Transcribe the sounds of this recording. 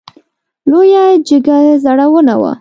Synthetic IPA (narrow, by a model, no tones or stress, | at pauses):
lojad͡ʒəɡazaɽawəna̰wa̰